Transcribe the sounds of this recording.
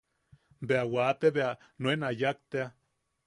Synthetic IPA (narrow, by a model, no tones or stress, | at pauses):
beawaːt̪eβea | nwenajak̚t̪ea